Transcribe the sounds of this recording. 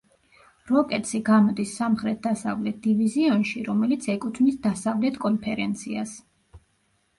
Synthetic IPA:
ɾɔkʼɛt̪sʰiɡamɔd̪isːamχɾɛt̪̚d̪asavlɛt̪̚d̪̥iviziɔnʃiɾɔmɛlit̪sʰɛkʼut̪ʰmnisd̪asavlɛt̪ʰkʼɔnpʰɛɾɛnt̪sʰias

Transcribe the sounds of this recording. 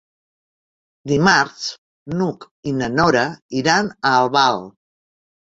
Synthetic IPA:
d̪imaɾs | nuk | inənɔɾəiɾanəːlˠβalˠ

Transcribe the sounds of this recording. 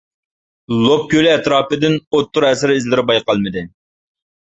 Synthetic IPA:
lˠop̚kʲølɪɛt̪ɾɑːpɨd̪ɪnot̪ːʊɾɛsɪɾizlɪɾɪbɑjqɑlˠmɪd̪ɪ

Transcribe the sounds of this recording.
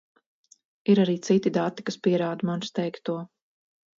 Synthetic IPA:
iɾaɾiːt̪sit̪id̪at̪ːi̥kaspiɛɾaːd̪umanst̪ɛjkt̪uɔ

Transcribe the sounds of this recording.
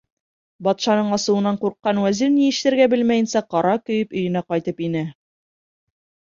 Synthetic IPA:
bɒt̪ʃɑnɤɴɑsɤ̆wɤ̆nːɑɴquɾqːɑnwæziɾnijɘ̆ʃt̪ɘ̆ɾɡæbɘlmæjɘ̆nsæqɒɾɑkɵ̆jɘpɵ̆jɘ̆næqɒjt̪ɤpinɘ

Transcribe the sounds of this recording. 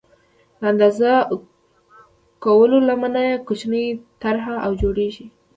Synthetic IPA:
laand̪aza | kawəlolamanajakʊt͡ʃnəjt̪aɾɦaʔawd͡ʒoɽeʒi

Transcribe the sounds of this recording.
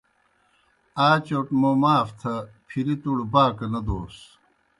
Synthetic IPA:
aːt͡ɕoʈmomaːft̪ʰɐpʰiɾit̪uɽbaːkɐnɐd̪oːs

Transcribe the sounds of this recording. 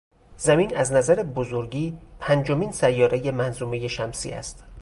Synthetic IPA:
z̥æmiːnæznæzæɾebozoɾɟiːpʰænd͡ʒo̞miːnsæjːɒːɾejemænzuːme̞je̞ʃæmsḭːæ̰st̪

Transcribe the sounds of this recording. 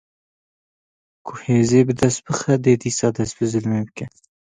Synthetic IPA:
kʰuheːzeːbəd̪ɐsbəxad̪eːd̪isɑːd̪ɐsbəzəlmebke

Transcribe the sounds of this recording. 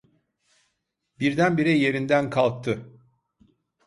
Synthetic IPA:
biɾd̪ænbiɾɛje̞ɾind̪ænkʰalˠk̚t̪ʰɯ

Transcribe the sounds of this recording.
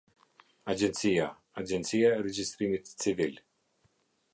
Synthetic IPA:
ad͡ʒɛnt̪sija | ad͡ʒɛnt̪t͡sijaɛɾɛd͡ʒist̪ɾimit̪t͡sivil

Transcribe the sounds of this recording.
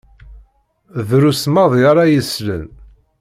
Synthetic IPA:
ðɾusmɑðˤjɾˤɑjəslə̰n

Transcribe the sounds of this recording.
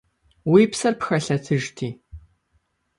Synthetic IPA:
wiːpsɐrpxɐɬɐtʰɨʒtʰiː

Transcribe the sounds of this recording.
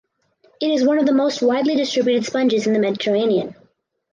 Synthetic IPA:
ɨɾɨzwʌ̃nʌvðəmoʊst̚waɪdˡlidɨstɹ̥ɪbjʉɾɨd̥spʌ̃nd͡ʒɨz̃n̩ðɨmɛɾɨtʰə˞ẽɪ̃niɨ̃n

